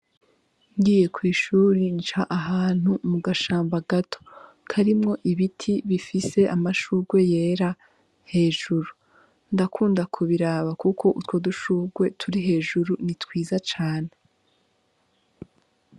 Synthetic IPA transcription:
ŋɡiːje̞kʰwiːʃuːɾint͡ʃaʔaɦaːn̥humuɡaʃaːmbaɡatʰo̥ | kʰaɾimŋo̞ʔiβitʰiβifise̞ʔamaʃuɡwe̞je̞ːɾa | he̞ːʒuɾu | ndakʰuːndakʰuβiɾaːβakukʰo̞ʔutwo̞duʃuːɡwe̞tʰuɾiɦe̞ːʒuɾunitwiːzat͡ʃaːne̞

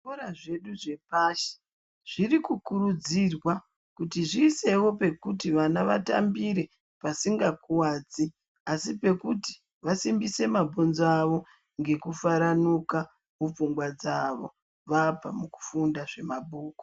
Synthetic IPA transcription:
oɾaʐe̞ɗuʐe̞paːʃe̥ | ʐ̥irikukurud͡zirwa | kutiʐiːse̞wo̞pe̞kutiʋanaʋata̰mbiɾe̞ | pasiŋɡakuwaːd͡zi | asipe̞kuti̥ | ʋasimbise̞mabʱonzaʋo̞ | ŋɡe̞kufaɾanuka | mup͡fuŋɡwad͡zaʋo̞̰ | ʋapa̰muku̥fundaʐe̞mabʱuːko̥

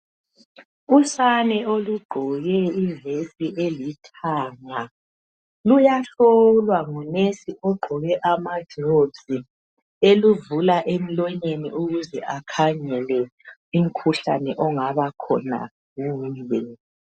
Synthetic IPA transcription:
usanɛoluɡ͡ǃʱɔɣɛivesiʔelitʰaŋa | lujaɬɔlwaŋunesiɔɡ͡ǃʱɔɣɛʔamḁʒ̥ʱobzi | eluvulaʔem̩lɔɲeniʔuɣuzɛʔakʰaŋɛlɛ | um̩kʰuɬa̰nɛʔɔŋaβakʰɔ̰na̰ | ɣuːjɛ

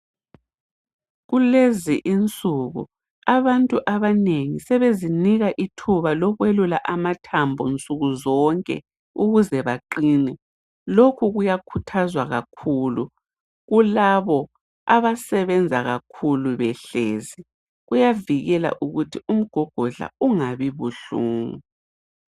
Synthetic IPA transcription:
ɣuleziʔint͡sʼuɣṵ | aβantʼuʔaβaneŋisɛβeziniɣaʔitʰuβalɔɣwelulaʔamatʰambʱɔnt͡sʼuɣuzɔŋkʼɛ̰ | uɣuzɛβaǃiːnɛ | lokʰuɣujakʰutʰazwaɣakʰulu | ɣulaβɔ | aβasɛβɛnd͡zʱaɣakʰuluβɛɬeːzi | ɣujaviɣɛla̰ʔuɣutʰium̩ɡ̥ʱɔɡ̥ʱɔɮa̰uŋaβiβuɬuːŋu

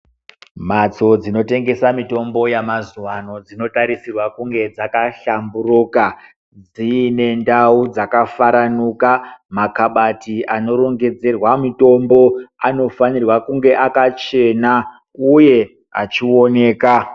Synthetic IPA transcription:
mat͡so̞d͡zino̞te̞ŋɡe̞samito̞mbo̞jamazuwano̞d͡zino̞taɾisirwakuŋɡe̞d͡zakaɬamburuka | d͡zine̞ndaud͡zakafaɾanukamakaɓatiano̞ɾo̞ŋɡe̞d͡ze̞rwamito̞mbo̞ano̞fanirwakuŋɡe̞ʔakat͡ʃe̞na | uje̞ | at͡ʃio̞ne̞ːka

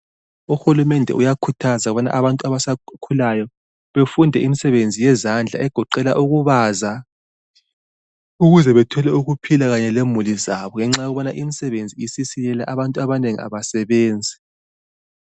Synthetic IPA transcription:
uxulumɛndʱɛ̰ʔujakʰutʰazaɣuβɔnaʔaβantʼuaβasakʰulajɔ | βefundʱɛʔimisɛβend͡zʱijɛzand͡ɮʱa̰ɛɡ̥ʱɔǃɛla̰ʔuɣuβaːza | uɣuzɛβɛtʰɔlɛuɣupʰilaɣaɲɛlemulizaβɔŋɛŋ͡ǁajɔɣuβɔnaʔimisɛβend͡zʱiisisilɛlaʔaβantʼuaβaneŋḭa̰βasɛβeːnd͡zʱi

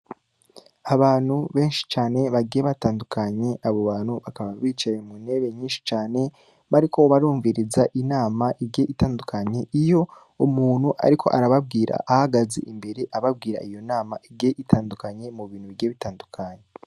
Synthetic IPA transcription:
aβaːn̥huβe̞ːnʃi̥t͡ʃaːne̞βaɡieβataːndukʰaɲe̞ʔaβoβaːn̥huβakaβaβiːt͡ʃajemune̞ːβe̞ɲiːnʃi̥t͡ʃaːne̞ | βaɾikʰo̞βaɾuːɱviɾizaʔinaːmaʔiɡe̞ʔitaːndukʰaɲe̞ʔijo̞ | umuːn̥huʔa̰ɾikʰo̞̰ʔa̰ɾaβab̚ɡiːɾʔa̰ʔːhaɡazḛʔimbe̞ɾe̞ʔaβab̚ɡiːɾa̰ijo̞naːmaʔiɡe̞ʔitʰaːndukaɲe̞muβiːn̥huβiɡieβitaːndukʰaɲe

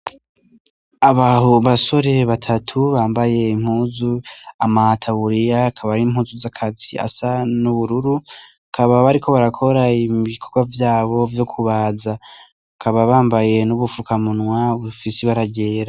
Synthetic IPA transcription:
aβahoβaso̞ɾe̞βatʰatʰuβaːmbaje̞im̥huːzuamaatʰaβuɾijaːkʰaβaim̥huːzuzakʰazia̰sanuβuɾuɾu | akʰaβaβaɾikʰo̞βaɾakʰo̞ɾaiβikʰo̞ɡwavjaːβo̞vjokʰuβaza | akʰaβaβaːmbaje̞nuβufukamunŋwaβufisiβaɾaɟe̞ːɾa

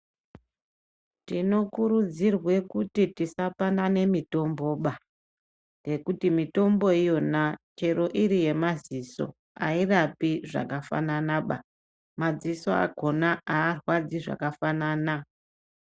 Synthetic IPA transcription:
tino̞kuɾud͡zirwe̞kutitisapanane̞mito̞mbo̞ːɓa | je̞kutimito̞mbo̞ijo̞nat͡ʃe̞ɾo̞ʔiɾije̞maziso̞̰ | a̰irapiʐa̰kafa̰nanaɓa̰ | mad͡ziso̞a̰ɡʱo̞naaːrwad͡ziʐa̰kafanana

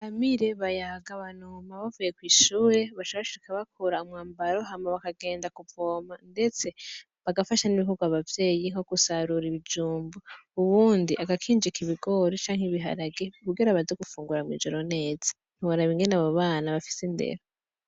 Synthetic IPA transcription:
amiɾe̞βajaɡaβanumaβavuje̞kwiːʃuːɾe̞βaʃoβaβaʃikaβakʰoɾaumŋaːmbaɾo̞ɦamaβakaɡe̞ːndakuvo̞ːmande̞t͡se̞ | βaɡafaʃaniβiɦuɡuaβavje̞ːjiŋ̥o̞ɡusaɾuɾiβid͡ʒuːmbuuβuːndiʔaɡakʰiːnd͡ʒikiβiɡo̞ɾit͡ʃaːŋ̥heβiɦa̰ɾaɡekuɡeɾaβazeɡufuːŋɡuɾamŋḭːd͡ʒo̞ɾo̞ne̞ːz̥ḁ | n̥iwaɾaβiŋɡe̞naβoβaːnaβafi̥sinde̞̰ɾo

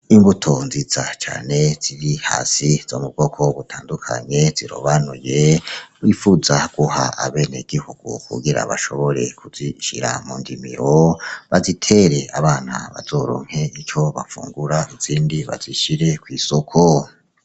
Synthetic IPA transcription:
imbutʰo̞nzizat͡ʃaːne̞z̥iɾiha̰ːsizo̰ːmub̚ɡo̞kʰo̞βutʰaːndukʰa̰ɲe̞ziɾo̰βanujewifuzaɡ̥uhaʔa̰βe̞neɡ̥ihuɡ̥ṵkṵɡiɾa̰βaʃo̞βo̞ɾe̞̰kʰuziʃḭɾa̰muːndimiɾoβazitʰe̞ɾe̞aβaːn̥a̰βa̰zo̞ːɾo̰ːŋ̥he̞it͡ʃo̞βafṵːŋɡuɾaiz̥iːndiβa̰ziʃiɾe̞kwiːsokʰo

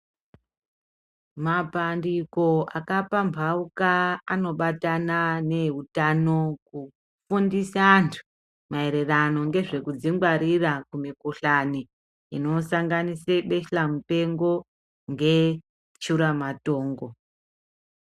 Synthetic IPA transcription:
mapandiko̞akapampaukaano̞ɓatanane̞ɦutano̞ku | fundisantʰu̥ | mae̞ɾe̞rano̞ŋɡe̞ʐe̞kud͡ziŋɡwaɾirakumikuɬani | ino̞saŋɡaniseɓe̞ɬamupe̞ŋɡo̞ | ŋɡe̞ | t͡ʃuɾamato̞ːŋɡo̞

